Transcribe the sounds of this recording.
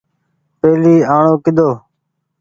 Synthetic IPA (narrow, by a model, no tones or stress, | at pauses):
peːliːaːɳoːkɪd̪ʱoː